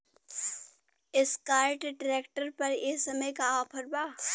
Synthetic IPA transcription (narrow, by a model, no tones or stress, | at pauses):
ɪskaːɪʈɖɾeːkʈəɾpɐɾeːsɐməjkaɔːpʰəɾbaː